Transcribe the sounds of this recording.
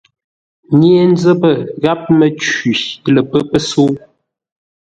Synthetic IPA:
ɲe˦e˦n˦d͡zə˦bə˦˨ɣa˦p̚mə˦t͡ʃi˨lə˨pə˦pə˦so˦

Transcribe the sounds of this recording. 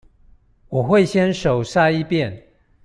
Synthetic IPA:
wɔ˨˩xwe˥˨ɪɕjɛ˦nʂo˨˩ʊsa˥˧i˥˨pjɛ˥˨n

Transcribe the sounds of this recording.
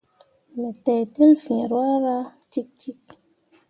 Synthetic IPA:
me˨tɛ˨ti˦lfĩ˨ɾwa˦ɾa˦t͡ʃi˦k̚t͡ʃi˦k̚

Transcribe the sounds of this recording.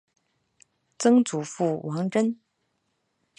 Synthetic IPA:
t͡sɤ˥ŋt͡su˨˩fu˥˩wʔɑ˧˥ŋʈ͡ʂə˥n

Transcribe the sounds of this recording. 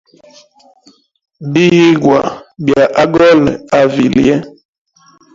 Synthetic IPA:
bi˦ji˦ɡwa˨bja˨ʔa˦ɡɔ˦la˨vḭ˨ljɛ˦

